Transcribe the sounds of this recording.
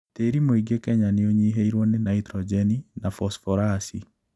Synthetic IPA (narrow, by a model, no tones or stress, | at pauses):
teːɾimoiɡekɛɲaneoɲiɦeiɾwɔnenaitɾɔd͡ʒɛninafɔsfɔɾasi